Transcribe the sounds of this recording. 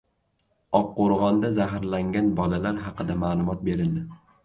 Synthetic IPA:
ɒqːoɾʁɒnd̪azaɦɾlaŋɡʲanbɒlalaɾɦɑqɨd̪amaːlˠʊmɒt̪̚be̞ɾɪld̪ɪ

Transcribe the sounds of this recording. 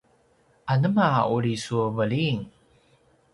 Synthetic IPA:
ʔanəmauɾisuəvəɭiŋ

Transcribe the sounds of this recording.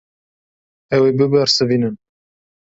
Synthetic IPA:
ɛwebɨbɛɾsɨviːnɨn

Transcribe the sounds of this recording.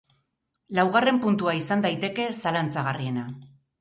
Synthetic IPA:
lawɣ̞are̞mpunt̪uaisand̪ajt̪e̞ke̞salant͡saɣarie̞na

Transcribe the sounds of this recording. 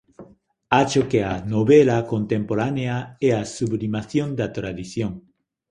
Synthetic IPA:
at͡ʃokeanoβelakont̪ẽmpoɾaneaɛasuβlimaθjõnd̪at̪ɾaðiθjoŋ

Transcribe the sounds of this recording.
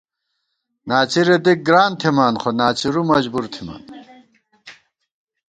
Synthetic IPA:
naːt͡siɾed̪ik̚ɡɾaːnt̪ʰimaːnχonaːt͡ɕiɾumɐd͡ʑbuɾt̪ʰima̰ːn

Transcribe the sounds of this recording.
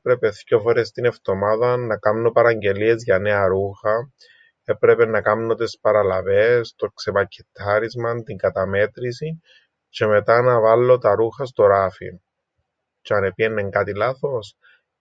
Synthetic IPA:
pɾe̞pe̞θcofoɾest̪ine̞ft̪o̞maðɐnːɐkɐmnopɐɾɐɲɟe̞lie̞zʝɐne̞ɐɾuxɐ | e̞pɾe̞pe̞nɐkɐmnot̪espɐɾɐlɐve̞st̪okse̞pɐcʰːe̥t̪ʰːɐɾizmɐnt̪iŋɡɐt̪ɐme̞t̪ɾisi | t͡ʃe̞me̞t̪anɐvɐlːo̞t̪ɐɾuxɐst̪o̞ɾafḭn | t͡ʃeɐne̞pienːeŋɡat̪ilaθo̞s

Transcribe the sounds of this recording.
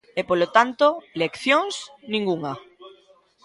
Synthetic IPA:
epolot̪ant̪olekθjoŋsnĩŋɡuŋa

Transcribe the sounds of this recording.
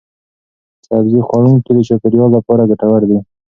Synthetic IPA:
sabzixwɑɽuŋked̪ət͡ʃakɪɾjɑlːapɑɾaɡaʈawaɾd̪i

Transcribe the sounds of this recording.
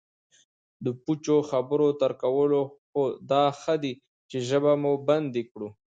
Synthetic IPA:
d̪əput͡ʃoxabəɾot̪əɾkawəloxod̪ɑxəd̪i | t͡ʃeʒəbamuband̪ikɽu

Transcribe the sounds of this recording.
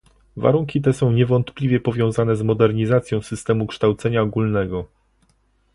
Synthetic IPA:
va̰ɾuŋkʲit̪̬ɛsɔ̃w̃ɲɛvɔnt̪plʲivʲjɛpɔvʲjɔ̃w̃zanɛzmɔd̪ɛɾɲizat̪sʲjɔ̃w̃sɘst̪ɛmukʂt̪awt̪sɛɲaɔɡulnɛɡɔ

